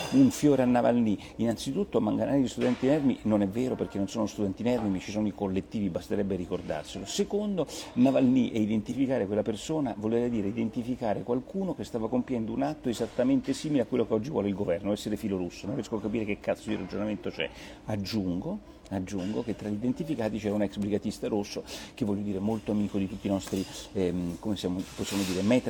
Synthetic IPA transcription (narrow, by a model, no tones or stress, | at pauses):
uɱfjoːɾeanːavalni | inant̪sit̪ut̪ːomaŋɡanʔaːɾid̪ist̪ud̪ɛnt̪inɛrminonɛvːeːɾoperk̟enːonsoːnost̪ud̪ɛnt̪inɛrmimit͡ʃisoːnoikolːet̪ːiːvibast̪eɾɛbːeɾikord̪a̰rselosekond̪onavalniʔɛid̪ent̪ifikaːɾekwelːapersoːnavoleɾɛd̪iːɾeid̪ent̪ifikaːɾekwalkuːnokest̪aːvakompjɛnd̪ounat̪ːoezat̪ːament̪esiːmileakːwelːokeɔd͡ʒːivwɔ̰leilɡovɛrnoɛsːeɾefiːloɾusːononrjɛskoakːapiːɾekekːat̪sod̪irad͡ʒonament̪ot͡ʃɛ̰ | ad͡ʒːuŋɡo | ad͡ʒːuŋɡoket̪ːɾaʎːid̪ent̪ifikaːt̪it͡ʃɛɾaunɛksbɾiɡat̪ist̪aɾusːokevːɔljːod̪iːɾemolt̪oamiːkod̪it̪ut̪ːiːnɔst̪ɾi | komesjaːmoposːjaːmod̪iːɾemɛt̪